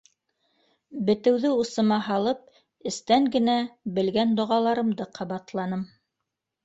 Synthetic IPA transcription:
bɘ̆t̪ɘ̆wðɘusɤ̆mɑɦɑlˠɤp̚ | ɘ̆st̪æŋɡɘ̆næbɘ̆lɡænd̪ŏʁɑlˠɑɾɤ̆md̪ɤqʰɑβɑt̪lˠɑnɤm

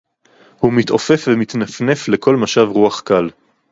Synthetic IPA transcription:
humit̪ʔo̞fefvemit̪nafne̞flekʰo̞lmaʃavʁuaχkal

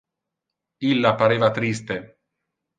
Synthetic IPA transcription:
ilːapaɾeːvat̪ɾist̪e

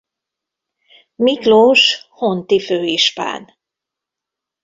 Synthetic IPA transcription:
mikloːʃhont̪iføːiʃpa̰ːn

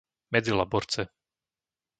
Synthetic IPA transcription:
mɛd͡zilabɔɾt͡sɛ

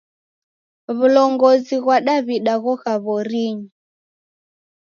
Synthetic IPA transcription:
βulɔŋɡɔziɣwaɗaβiɗaɣɔɣaβɔɾiɲi

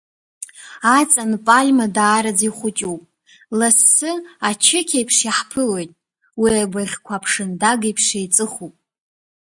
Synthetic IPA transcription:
at͡sʼanpʼalʲmadaːɾad͡ziχʷʊt͡ʃʼupʼ | lasːɨat͡ʃʰɪkʲʰajpʰʂaħpʰɨlo̞jtʼ | wiabʷarʲkʷʰapʰʂɨndaɡajpʰʂejt͡sʼɨχupʼ

